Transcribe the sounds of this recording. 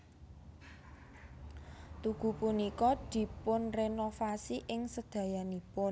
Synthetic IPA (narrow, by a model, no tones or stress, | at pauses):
t̪uɡ̥ṳpunikɔd̪̥i̤pʊnrenofasiʔɪŋsəd̪̥ä̤janipʊn